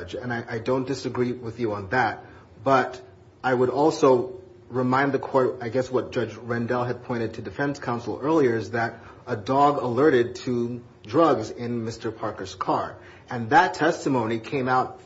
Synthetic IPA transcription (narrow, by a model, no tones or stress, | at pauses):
d͡ʒɨ̃naɪʔaɪdõʊ̃nd̥ɨsɨɡɹiwɨðjɨə̃nðɨt̚ | b̥ʌɾ | aɪwəɾɔlˠsoʊ | ɹɨmãɪ̃nðɨkʰɔɹt̚aɪɡɛswʌt̚d̥ʒ̥ʌd͡ʒɹɛ̃ndɛlˠɨd̚pʰɔ̃ɪ̃ɾ̃ɨd̚tʰɨdɨfɛ̃nskʰãʊ̃nsl̩ˠɜ˞lˠiə˞ɨzðɨɾ | ədɔɡəlɜ˞ɾɪd̚tʰɨ | dɹʌɡzɪ̃nmɪstə˞pʰɑɹkə˞z̥kʰɑɹ | ɨ̃nðɨtʰɛstɨmõʊ̃ñikʰẽɪ̃maʊt̚